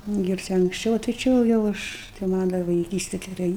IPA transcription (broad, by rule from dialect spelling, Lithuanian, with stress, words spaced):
ɪr ˈt͡ʃʲɛ ɐŋksʲˈt͡ʃʲɛʊ oː tɐɪ ˈt͡ʃʲɪ ʋɐ jɛʊ ˈɐʃ tɐɪ ˈmɐnʲ dɐr ʋɐɪˈkʲiːsʲtʲɛ ɡʲɛˈrɐɪ